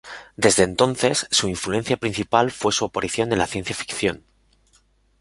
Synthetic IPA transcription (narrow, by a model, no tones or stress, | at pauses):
d̪e̞zðe̞nt̪o̞nθe̞sːuiɱflue̞n̟θjapɾin̟θipalfwe̞suopoɾiθjo̞nenlaθje̞nθjafi̥kθjo̞n